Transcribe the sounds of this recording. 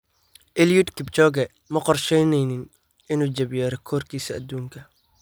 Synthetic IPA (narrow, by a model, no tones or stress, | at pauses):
ʔɛljud̪kʰɪb̚t͡ʃɔːɡɛ | mɐqɔrʃɛjnɛjnɪn | ɪnuːd͡ʒɐβjɛːɾɛkʰɔːrkʰiːsɐɐ̰d̪ːuːŋkʰɐ